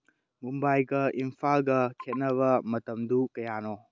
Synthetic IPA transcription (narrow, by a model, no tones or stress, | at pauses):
mumbajɡɐʔimpʰalɡɐkʰet̚nɐβɐmɐtɐmdukɐjano